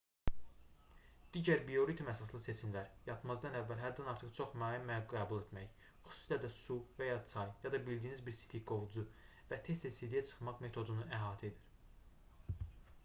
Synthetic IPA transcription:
d̪̥iːɟæɾbio̞ɾit̪ʰumæsɑs̬lˠɯse̞t͡ʃʰimlæɾjɑt̪ʰmɑzd̪ɑnævːælɦæd̪ːænɑɾt̪ʰɯχt͡ʃʰo̞χmɑːjimːæbuɡæːbulˠe̞t̪mæç | χy̥su̥silæd̪æsuvæjɑt͡sʰɑjjɑd̪ɑbild̪iːnizbiɾsi̥t̪ʰiɡo̞vd͡ʒu | væt̪ʰe̞st̪esid̪ijæt͡ʃʰɯ̥χmɑχme̞t̪ʰo̞d̪unuæɦɑːt̪ʰed̪iɾ

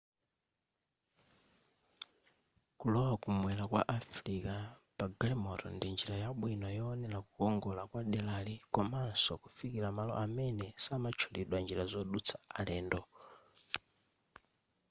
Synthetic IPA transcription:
kulɔwakumwɛlakwa̰ʔafɾikapaɡalɛmɔɾɔ̰ndind͡ʒiɾajaɓwinɔjɔːnɛlakukɔŋɡɔlakwaɗɛlalikɔmansɔkufikiɾamalɔ̰ʔamɛnɛsamat͡ʃʰɔliɗwand͡ʒiɾazɔɗut͡sʰaalɛːndɔ

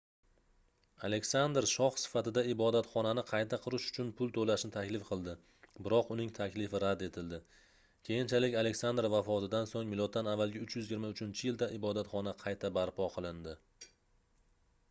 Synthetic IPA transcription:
ale̞kʲsand̪ɾʃɒχsɪ̥fat̪ɪd̪aɪbɒd̪at̪χɒnanɪqʰɑjt̪ʰaqʰʊɾɪʃʊ̥t͡ʃʰʊnpʰʊlˠt̪ʰolaʃnɪt̪ʰakʲlɪfqʰɨlˠd̪ɪ | bɪɾɒqʊnɪŋt̪ʰakʲlɪfɪɾad̪e̞t̪ʰɪld̪ɪ | kʲʰe̞jɪnt͡ʃʰalɪkʲale̞kʲsand̪ɾvafɒt̪ʰɪd̪ansoŋmɪlˠot̪̚ːanavːalɡʲaʊt͡ʃjʏzɪɡʲɪɾmaʊt͡ʃʰɪnt͡ʃʰɪjɪld̪aʔɪbɒd̪at̪χɒnaqʰɑjt̪ʰabaɾpʰɒqʰɨlˠɪnd̪ɪ

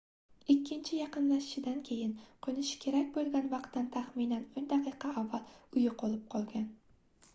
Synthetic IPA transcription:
ɪkʲːɪnt͡ʃʰɪjɑqɨnlaʃɪ̥ʃɪd̪ankʲʰe̞jɪnqʰonɪʃkʲʰe̞ɾakʲbolˠɡʲanvɑqt̪ːant̪ʰaχminanɵnd̪aqɨqʰɑːvːalˠʊjɪqʰolˠɪp̚qʰɒlˠɡʲan

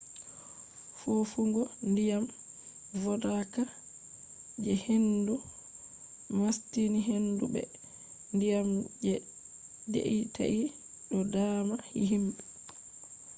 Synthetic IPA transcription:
fofuŋɡɔndijam | vɔdaka | d͡ʒɛhendu | mastiniɦendubɛ̰ | ndijamd͡ʒɛ | dḛʔita̰ʔi | ɗɔdaːmahḭɦimbɛ

